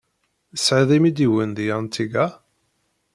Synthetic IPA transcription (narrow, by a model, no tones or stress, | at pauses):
əsʕiðˤimid̪iwənðijəʁnt̪ːiɡæ